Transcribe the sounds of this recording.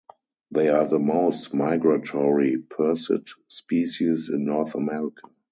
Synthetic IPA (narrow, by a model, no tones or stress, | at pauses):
ðeɪaðəmoʊstmaɪɡɹatʰɔɹipʰɜ˞sɪ̰tspiːʃisɪ̰̃nːɔθamɛɹɪkʰa